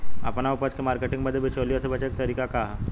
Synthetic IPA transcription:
ɐpnaʊpət͡ʃkemaːɾkeʈɪ̃ŋɡbəd̪ʱjebʱit͡ʃoːlijosebɐt͡ʃeːk̚t̪ɐɾiːkaka

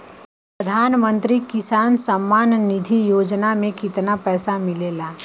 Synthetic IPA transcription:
pɾəd̪ʱaːnmə̃nt̪ɾikɪsaːnsəmːaːnːɪd̪ʱijoːd͡ʒnamẽkɪt̪napɛːsamɪleːlaː

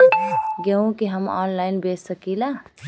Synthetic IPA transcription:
ɡeõkeɦəmɔ̰ːnlaɪnbeːsəkila

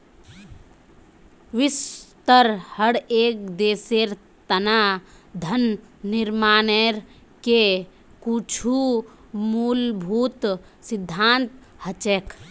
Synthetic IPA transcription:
ʋɪst̪əɾhəɽeːk̚d̪eːseɾ | t̪əna | d̪ʱənː | ɪɾmaːneɾ | ke | kut͡ʃʰu | muːlbʱuːt̪ | sɪd̪ʱːaːnt̪ | hət͡ʃeːk

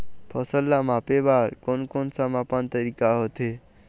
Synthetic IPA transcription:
pʰʌsəlːamapebaɾkonkonsamapant̪əɾikaɦot̪ʰe

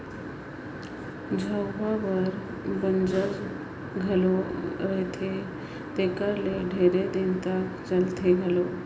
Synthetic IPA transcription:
d͡ʒʱəwʋabəɾ | bənd͡ʒəɾ | ɡʱɐloɾəɦet̪ʰe | t̪eːkəɾleɖʱeːɾed̪ɪnt̪akt͡ʃəlt̪ʰeɡʱɐlo

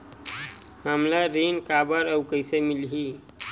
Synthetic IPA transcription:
mamlaɾinkabəɾəwkəɪsemilɦi

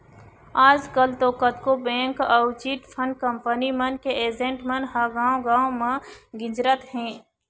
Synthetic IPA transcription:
aːd͡ʒkəlt̪oːkət̪kobɛ̃ːŋkəʊt͡ʃiʈ̪pʰənkə̃mpənimənkeeːd͡ʒẽːɳʈmənɦəɡãːõɡãːõmẽɡɪd͡ʒɾət̪ɦɛ̃ː

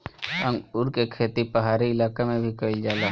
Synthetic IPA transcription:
əŋʊɾkekʰeːt̪ipəɦaːɾiɪlaːkemẽbʱikəɪld͡ʒaːlaː

